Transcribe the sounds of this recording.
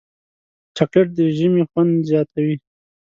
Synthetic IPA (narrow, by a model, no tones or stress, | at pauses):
t͡ʃakɪʈ̚d̪əʒəmixwand̪zjɑt̪awi